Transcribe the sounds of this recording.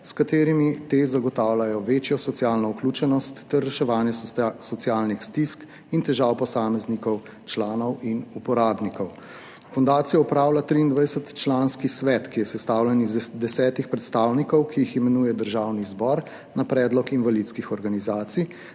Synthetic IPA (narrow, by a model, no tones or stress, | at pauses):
skat̪eːɾimit̪ezaɡɔt̪aːwlajɔʋeːt͡ʃjɔsɔt̪sijaːlnɔukluːt͡ʃɛnɔst̪ːɛrːɛʃɛʋaːnjɛsɔt̪siaːlnixst̪isk | int̪ɛʒawpɔsaːmɛznikɔw | t͡ʃlaːnɔwinupɔɾaːbnikɔw | fɔnd̪aːt̪sijaupɾaːwlat̪ɾiːnd̪ʋajsət̪t͡ʃlanskisʋɛt̪kijɛsɛst̪aːwlɛnizd̪ɛsɛːt̪ixpɾɛt̪st̪awnikɔwkiːximɛnuːjɛd̪əɾʒaːwnizbɔɾ | napɾɛːd̪lɔkinʋalit̪skixɔɾɡanizaːt̪sij